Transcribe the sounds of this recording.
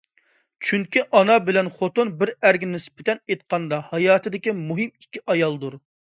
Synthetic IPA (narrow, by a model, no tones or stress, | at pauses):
t͡ʃʰyŋkʲiʔɑnɑbɪlɛnχot̪onbɪɾæɾɡʲinɪspʰɪt̪ʰɛnet̪̚qʰɑnd̪ɑhɑjɑːt̪ʰɨd̪ɪkʲimuɦɪmi̥kʲːiʔɑjɑlˠd̪uɾ